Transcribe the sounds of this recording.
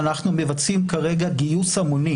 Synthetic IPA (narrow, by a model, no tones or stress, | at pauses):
naχnume̞vat͡simkaʁe̞ɡaɡijusamoni